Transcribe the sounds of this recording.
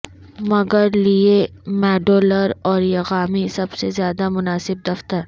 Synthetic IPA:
mɐɡəɾliemɛːɖoːləɾɔːɾjɐɣaːmisɐbsezjaːd̪amʊnaːsɪb̚d̪ɐft̪əɾ

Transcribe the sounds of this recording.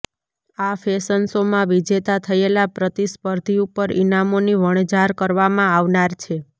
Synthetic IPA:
afesənsomãʋid͡ʒet̪at̪ʰəelapɾət̪ispəɾd̪ʱiupəɾinamoniʋəɳ̃d͡ʒaɾkəɾʋamãaʋnaɾt͡ʃʰe

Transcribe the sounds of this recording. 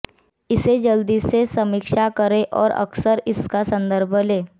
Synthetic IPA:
ɪsed͡ʒəld̪isesəmikʂakəɾeʔɔ̰ːɾə̰ksəɾɪskasə̃nd̪əɾbʱəleː

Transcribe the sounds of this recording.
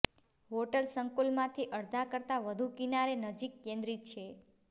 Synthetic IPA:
ɦoʈəlsəŋkulmãt̪ʰiʔəɾd̪ʱakəɾt̪aʋəd̪ʱukinaɾenəd͡ʒikːẽnd̪ɾit̪t͡ʃʰe

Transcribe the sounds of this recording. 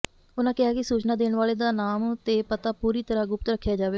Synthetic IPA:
ʊnãːkɪɦaːkɪsuːt͡ʃnaːd̪eːɳʋaːleːd̪aːnaːmt̪eːpət̪aːpuːɾiːt̪əɾãːɡʊp̚t̪ɾəkʰːjaːd͡ʒaːʋeː

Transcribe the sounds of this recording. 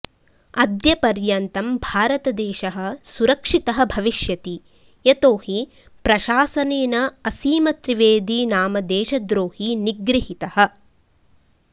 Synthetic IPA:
ɐd̪jɐpɐɾjɐnt̪ɐmbʱaːɾɐt̪ɐd̪ɛːʃɐɦɐ̆suɾɐkʂit̪ɐɦɐ̆bʱɐʋiʃjɐt̪i | jɐt̪oːhi | pɾɐʃaːsɐneːnɐɐsiːmɐt̪ɾiʋeːd̪iːnaːmɐd̪ɛːʃɐd̪ɾoːhiniɡɾihit̪ɐhɐ̆

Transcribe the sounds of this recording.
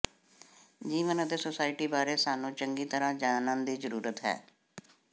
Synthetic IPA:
d͡ʒiːʋənəd̪eːsʊsaːɪʈiːbaːɾeːsaːnũːt͡ʃəŋɡiːt̪əɾãːd͡ʒaːnãːnd̪iːzəɾuːɾət̪ɦɛ̰ː

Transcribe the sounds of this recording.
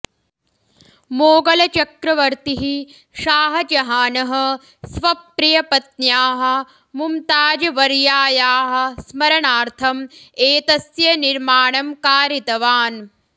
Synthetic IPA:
moːɡɐlɐt͡ʃɐkɾɐʋɐɾt̪iɦi | ʃaːɦɐd͡ʒɐɦaːnɐɦɐ̆ | sʋɐpɾijɐpɐt̪njaːɦɐ̆ | mumt̪aːd͡ʒɐʋɐɾjaːjaːɦɐ̆smɐɾɐɳaːɾt̪ʰɐmeːt̪ɐsjɐniɾmaːɳɐmkaːɾit̪ɐʋaːn

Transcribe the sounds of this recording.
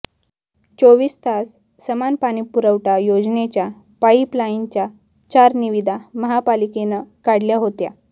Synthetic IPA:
t͡ɕoʋiːst̪asː | əmanpañipuɾəʋʈajod͡znet͡ɕja | paiplaint͡ɕja | t͡ɕaɾniʋid̪ʱaməɦapalikenəkaɽljaɦot̪ja̰

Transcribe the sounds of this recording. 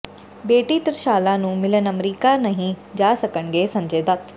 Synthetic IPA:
beːʈiːt̪əɾʃaːlãːnũːmɪlənəmɾiːkanəɦĩd͡ʒaːsəkəɳɡeːsə̃ɲd͡ʒeːd̪at̪

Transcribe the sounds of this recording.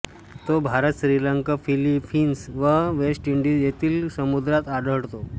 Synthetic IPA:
t̪obʱaɾət̪ɕɾiləŋkafilipʰinsʋəʋesʈiɳɖijet̪iːlsəmud̪ɾat̪aɖ̪ʱəɽt̪o

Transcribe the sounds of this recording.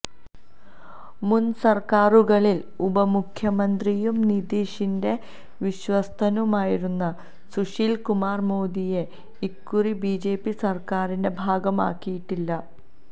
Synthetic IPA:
munsɐrkaːruɣɐɭil | ubɐmukʰjɐmɐnd̪rijumnid̪iːɕinde̞ | ʋiɕwɐst̪ʰɐnumaːjiɾunːɐ | suʂiːlkumaːrmo̞ːd̪ije̞ | ikːuribiːd͡ʑe̞ːpːisɐrkaːɾinde̞bʱaːɡɐma̰ːkːijiʈːilːɐ

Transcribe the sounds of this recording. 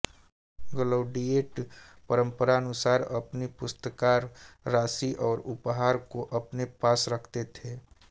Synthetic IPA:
ɡələːɖieːʈpəɾə̃mpəɾaənʊsaːɾɐpnipʊst̪əkaːɾːaːsiʔɔːɾʊpɦaːɾkoʔɐpnepaːsɾəkʰt̪et̪ʰeː

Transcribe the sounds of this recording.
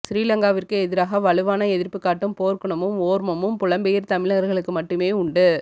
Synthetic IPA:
sɪɾiːlɐŋɡaːʋɪrkɯɛðɪɾaːɣɐʋɐɭɯʋaːnɐɛðɪɾpːɯkːaːʈːɯmpoːɾkɯɳɐmɯmoːɾmɐmɯmpʊɭɐmbejɪɾt̪ɐmɪɭɐɾɣɐɭɯkːɯmɐʈːɯmeːʊɳɖɯ

